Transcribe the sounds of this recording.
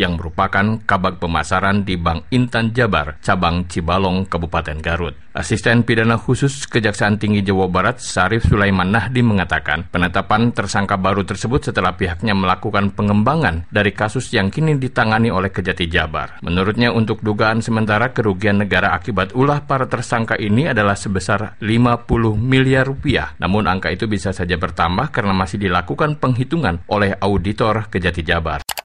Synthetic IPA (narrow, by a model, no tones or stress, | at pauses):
jaŋməɾupakankabak̚pəmasaɾandibaŋint̪and͡ʒaba̰rt͡ʃabaŋt͡ʃibalɔŋkabupat̪ɛnɡaɾʊt̪̚ʔa̰sist̪ɛnpidanahusʊskəd͡ʒaksaːnt̪iŋɡid͡ʒawabaɾat̪̚saɾɪfsulajmanːahdiməŋat̪aka̰npənət̪apant̪ərsaŋkabaɾut̪ərsəbʊt̪̚sət̪əlahpiɦak̚ɲaməlakukanpəŋəmbaŋandaɾikasʊsjaŋkinidit̪aŋaniolɛhkəd͡ʒat̪id͡ʒaba̰rmʔənuɾʊt̪̚ɲaunt̪ʊk̚duɡaːnsəmənt̪aɾakəɾuɡianːəɡaɾaakibat̪ulahpaɾat̪ərsaŋkaʔiniadalahsəbəsarlimapulʊhmiliarːupia̰hnʔa̰mʊnʔaŋkait̪ubisasad͡ʒabərt̪ambahkaɾənamasɪhdilakukanpəŋɦit̪uŋanʔolɛhaudit̪ɔrkəd͡ʒat̪id͡ʒaba̰r